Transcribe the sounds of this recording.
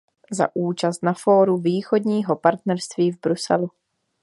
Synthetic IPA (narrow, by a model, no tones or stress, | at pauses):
za̰ʔuːt͡ʃast̪nafoːɾuviːxo̞dɲiːɦopaɾt̪nɛɾst̪viːvbɾusɛ̰lu